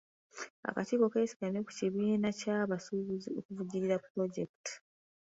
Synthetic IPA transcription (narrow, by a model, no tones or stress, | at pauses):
a̰katiːko̞ke̞ːsi̥ɡaneku̥ciβiːnacaβasuziokuvuɟiɾiɾapːɾo̞ɟe̞kti̥